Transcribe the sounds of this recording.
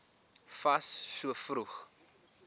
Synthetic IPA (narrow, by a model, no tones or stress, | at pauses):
fɐsːuəfruχ